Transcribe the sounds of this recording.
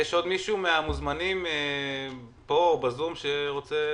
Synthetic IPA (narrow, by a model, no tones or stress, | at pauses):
jeʃo̞d̪miʃumeamuzmanime | pobazumʃeʁo̞t͡se